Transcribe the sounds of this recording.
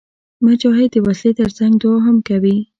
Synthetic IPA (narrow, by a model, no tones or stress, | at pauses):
mad͡ʒaɦed̪əwaslet̪əɾt͡saŋɡd̪oɦamkawi